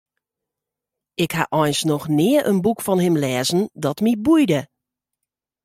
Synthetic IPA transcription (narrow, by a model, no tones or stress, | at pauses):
ɪkha̰ʔɔjnsnɔxnɪəʔə̰nbukfɔnhɪmlɛːzən̩dɔtmibujdə